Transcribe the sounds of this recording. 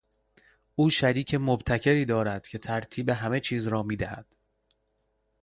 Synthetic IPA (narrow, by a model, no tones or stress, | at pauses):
ʔuːʃæɾiːcʰe̞mobt̪ʰæcʰe̞ɾiːd̪ɒːɾæd̪̥cʰe̞t̪ʰæɾt̪ʰiːbe̞ɦæme̞t͡ʃʰiːzɾɒːmiːd̪æhæ̰d̪̥